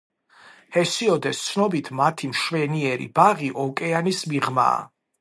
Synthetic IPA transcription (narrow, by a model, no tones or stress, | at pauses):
hɛsiɔd̪ɛst̪sʰnɔbit̪ʰmat̪ʰimʃwɛniɛɾḭbaʁiʔɔkʼɛanismiʁma̰ː